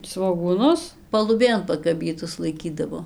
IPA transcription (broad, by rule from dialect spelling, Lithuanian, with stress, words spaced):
sʋoːɡuːˈnʊs pɐlˠʊˈbʲeːn pɐkɐˈbʲiːtʊs lˠɐɪˈkʲiːdɐʋoː